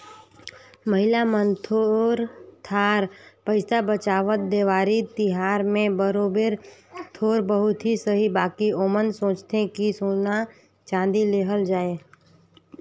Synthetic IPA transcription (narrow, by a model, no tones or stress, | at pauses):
məɦɪlamənt̪ʰoɾt̪ʰaːɾpəɪsabət͡ʃaːʋət̪̚d̪eːʋaːɾit̪ɪɦaːɾmẽbəɾoːbeːɾt̪ʰoːɾbəɦʊt̪ɦisəɦibaːkioːmənsõːt͡ʃt̪ekisoːna | t͡ʃãːd̪ileːɦəld͡ʒaːeː